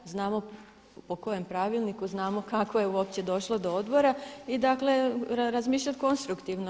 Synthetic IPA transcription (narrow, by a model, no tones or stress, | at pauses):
znaːmo̞ | poko̞je̞mpɾaʋilˠnikuznaːmo̞kakʋojeuo̞p̚t͡ɕe̞d̪o̞ʃlˠod̪ood̪bo̞ɾaid̪akle̞ɾazmiːʃ̬ʎat̪ko̞nst̪ɾukt̪iʋno